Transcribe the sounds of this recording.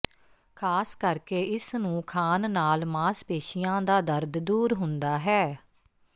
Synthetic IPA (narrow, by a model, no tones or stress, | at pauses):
kʰaːskəɾkeːʔɪsnũːkʰaːnːaːlmaːspeːʃɪjãːd̪aːd̪əɾd̪d̪uːɾɦʊnd̪aːɦɛː